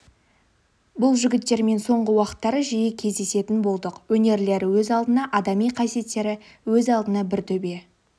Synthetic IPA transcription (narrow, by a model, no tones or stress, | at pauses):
bʊlˠʒʏɡʲɪt̪ːe̞ɾme̞nso̞ɴʁəwɑqə̥t̪ːɑɾəʒijekʲʰe̞zd̪e̞se̞t̪ɪnbo̞lˠd̪əqwɵne̞ɾle̞ɾɪwɵzɑlˠd̪ənɑʔɑd̪ɑmijqʰɑsije̞t̪ːe̞ɾɪ | wɵzɑlˠd̪ənɑbɪɾt̪ʰɵbe̞